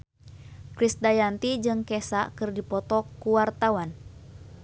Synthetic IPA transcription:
kɾisdajant̪id͡ʒɨŋkɛsaʔkɨrdipɔt̪ɔkuwart̪awan

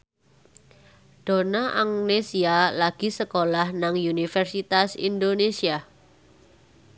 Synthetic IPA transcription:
ɖ̥o̤naʔaŋnesialaɡ̥i̤səkolahnaŋjunifərsit̪asḭndonesia

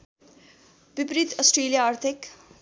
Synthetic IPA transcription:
bɪpɾit̪əsʈɾeːlijaaːɾt̪ʰɪk

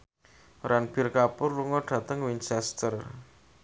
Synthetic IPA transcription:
ɾʔanb̥irkapʊrluŋɔɖ̥ä̤t̪əŋwint͡ʃɛst̪ər

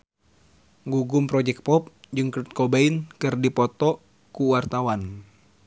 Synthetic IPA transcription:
ŋɡuɡumpɾɔd͡ʒɛk̚t̪̚pɔp̚d͡ʒɨŋkt̪̚kɔbainkɨrdipɔt̪ɔ | kuwart̪awan

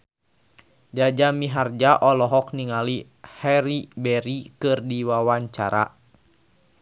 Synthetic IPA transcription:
d͡ʒad͡ʒamiɦard͡ʒaʔɔlɔɦɔk̚niŋali | hɛɾibɛɾikɨrdiwawaɲt͡ʃa̰ɾa̰

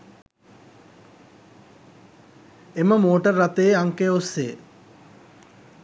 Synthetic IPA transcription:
eməmoːʈərːat̪eːaŋkeosːe

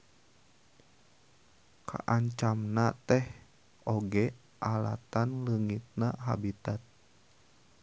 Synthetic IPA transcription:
kʰa̰ʔaɲt͡ʃamnat̪ɛh | ʔoɡɛ | ʔala̰t̪anləŋit̪̚naɦa̰bit̪at̪̚

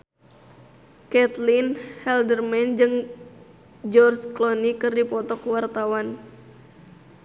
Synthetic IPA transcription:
kɛt̪linhɛldərmɛnd͡ʒɨŋ | d͡ʒɔrsklɔnikɨrdipɔt̪ɔkwart̪awan

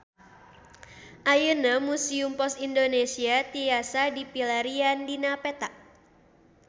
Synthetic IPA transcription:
ʔajənamusiumpɔsindonesiat̪ijasadipilaɾiandinapɛt̪aʔ

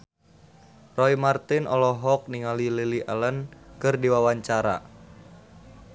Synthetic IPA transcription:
rɔimart̪ɪnʔɔ̰lɔɦɔk̚niŋalililiʔalənkɨrdiwawaɲt͡ʃaɾa̰

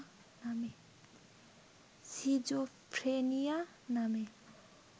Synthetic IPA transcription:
name | sid͡ʒo | pʰɾenija | name

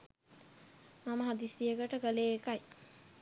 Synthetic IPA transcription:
maməɦad̪isijəkəʈəɡəleːkaj

